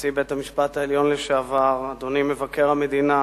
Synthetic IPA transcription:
t͡sibethamiʃpataeljo̞nleʃeavaʁad̪onimevake̞ʁhame̞d̪ina

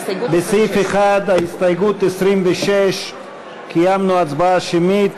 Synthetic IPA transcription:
besifeχad̪aist̪ajɡut̪esɾimveʃeʃ | kʰijamnuat͡sbaaʃemit̪

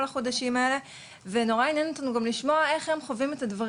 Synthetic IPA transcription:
laχo̞daʃimae̞le̞ | veno̞ʁainjenot̪anuɡamliʃmoae̞χhe̞mχovime̞t̪ad̪vaʁ

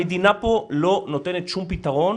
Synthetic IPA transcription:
jd̪inapolonot̪enet͡ʃumpit̪ːaɣon

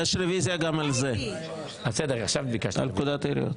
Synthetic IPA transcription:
jeʃɾevizjaɡamalze | ased̪eʁaχʃavbikaʃa̰lkud̪at̪eɾḭo̰t̪

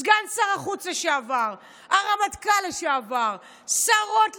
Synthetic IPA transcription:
ɡansaʁaχut͡saʃeavaʁ | aʁamat̪kalaʃeavaʁ | saʁo̞t

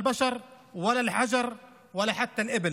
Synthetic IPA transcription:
lbɑʃɑɾˤ | wælːælħad͡ʒɑɾˤ | wɪlːæħat̪ːælʔɪbɪl

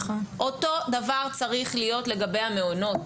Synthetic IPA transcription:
aʔo̞to̞davaʁt͡saʁiχlijo̞tle̞ɡabe̞jhame̞ono̞t

